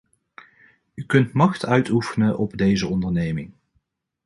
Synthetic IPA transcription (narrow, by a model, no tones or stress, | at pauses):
ykɵntmɑχtœɥtufənəʔɔbdejzəɔndəɹnejmɪŋ